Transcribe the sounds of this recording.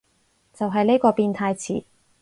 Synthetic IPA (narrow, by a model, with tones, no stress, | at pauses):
t͡sɐ˨wɦɐ˨jne˥jkɔː˧piː˧nt̪ʰaː˧jt͡sʰḭː˨˩